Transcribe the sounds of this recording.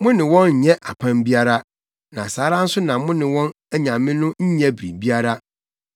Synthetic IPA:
mʊ̃˦nɪ̃˨wɔ̃˦n̩˨ɲɛ˦ʔa˨pʰã˦mbi˦a˦ɾa˦ | nã˨saː˨˦ɾã˦n̩˦sʊ˦nã˨mʊ̃˦nɪ̃˨wɔ̃˦n | ɛ˦ɲã˨mːɪ̃˦nʊ̃˦ɲ̩˦ɲɛ̃˦bɾḭ̃˨bi˦a˦ɾa˦

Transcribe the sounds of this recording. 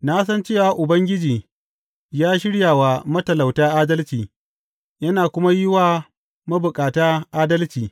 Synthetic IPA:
naː˦s̬ɐ˦nt͡ʃeː˦˨wa˨ʔʊ˨bɐ˦ŋɡʲɪ˦d͡ʒiː˨ | jaː˦ʃɪ˦ɽjaː˨waː˨mɐ˦tɐ˨la˨wtaː˦ʔaː˦dɐ˦lt͡ʃiː˨ | jɐ˦naː˨kʷʊ˦ma˦jɪ˦waː˦ | mɐ˦bʊ˨kʼaː˨taː˦ʔaː˦dɐ˦lt͡ʃiː˨

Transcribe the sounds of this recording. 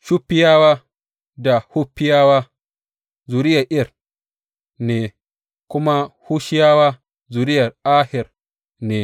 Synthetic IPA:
ʃu˦pːɪ˦jaː˦waː˦ | da˨hu˦pːɪ˦jaː˦waː˦ | zu˨ɾɪ˦jɐ˨ʔɪ˦ɐ˦˨r | neː˨ | kʷʊ˦ma˦hu˦ʃɪ˦jaː˦waː˦ | zu˨ɾɪ˦jɐ˨ra˦hɪ˨r | neː˨

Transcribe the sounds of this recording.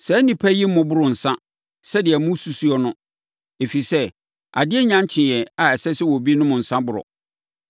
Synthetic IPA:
sɛ˨˦nĩ˨pʰæ˦ji˦mʊ̃˨bʊ˦ɾʊ̃˨n̩˨sã˦ | sɛ˦dɪ˨ɛ˨mʊ̃˦su˨su˦ɔ˦nʊ̃˦ | e˨fi˨sɛ˦ | a̰˨dɪ˦ɛ˦ɲã˦ɲ˦t͡ɕʰɪ̃˨jɛ̃˨a˨ɛ˨sɛ˦sɪ˦wɔ˨bi˦nʊ̃˦mʊ̃˨n̩˨sã˦bʊ˦ɾɔ̰˨

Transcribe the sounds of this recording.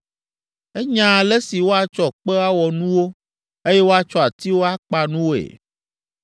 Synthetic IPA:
e˦ɲã˨le˦si˨wo˦a˨t͡ʃɔ˨k͡pe˦a˦wɔ˨nũ˦wo˦ | e˦jɛ˦wo˦a˨t͡ʃɔ˦a˨t̪i˦wo˦a˦k͡pa˦nũ˦wo˦˨ḛ˨

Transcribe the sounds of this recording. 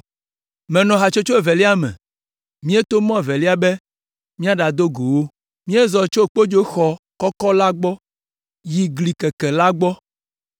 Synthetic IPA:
mɛ̃˨nɔ̃˨ɦa˨t͡ʃo˦t͡ʃo˦e˨vɛ˨li˦a˦mɛ̰̃˨ | mĩ˦e˦t̪o˦mɔ̃˦e˨vɛ˨li˦a˦bɛ˦ | mĩ˦a˦ɖa˨d̪o˦ɡo˨wo˦ | mĩ˦e˦zɔ˨t͡ʃo˦˨k͡po˦d͡ʒo˦xɔ˨ | kɔ˦kɔ˦la˦ɡ͡bɔ˦ | ji˨ɡli˨kɛ˨kɛ˨la˦ɡ͡bɔ˦

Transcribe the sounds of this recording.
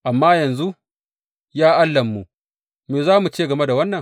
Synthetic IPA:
ʔa˨mːaː˦jɐ˨nzu˦ | jaː˦ʔa˦lːɐ˨mːu˨ʔ | meː˨zaː˦mu˨t͡ʃeː˦˨ɡɐ˨me˦da˨wɐ˦nːɐ˨ŋ

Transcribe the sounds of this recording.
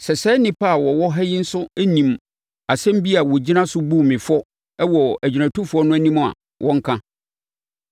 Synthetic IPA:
sɛ˨sɛ˦nɪ̃˦pʰa˦a˨wɔ˨wɔ˦ɦɛ˦jɪ˦n̩˦sʊ˦æ˦nĩ˨m | a˨sɛ̃˦m˦bi˦a˨wɔ˨d͡ʑi˦nã˦sʊ˦bu˦˨mɪ̃˨fɔ˦ | wɔ˨æ˨d͡ʑi˨næ̃˨tʰʊ˦fʊ˨ɔ˦nʊ̃˦æ˦nĩ˦m˨a̰˨ | wʔɔ̃˦ŋ˦kʰã˦

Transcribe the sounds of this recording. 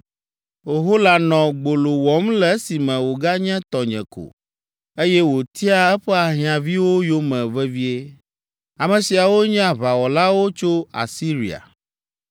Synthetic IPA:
o˨ɦo˦la˨nɔ̃˨ɡ͡bo˨lo˨wɔ˨˦mlɛ˦si˨mɛ̃˨wo˨ɡa˦ɲɛ̃˦t̪ɔ˨ɲɛ̰̃˨ko̰˨ | e˦jɛ˦wo˨t̪i˦a˦ɛ˦ɸɛ˦a˨ɦi˨ã˨vi˦wo˦jo˦mɛ̃˨vɛ˦vi˦e˦ | a˨mɛ̃˨si˨a˨wo˦ɲ̃˦a˨βa˨wɔ˨la˦wo˦t͡ʃo˦a̰˨si˦ɾḭ˨a̰˨

